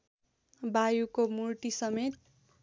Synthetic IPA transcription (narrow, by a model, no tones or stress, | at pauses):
bajukomurʈisʌmet̪̚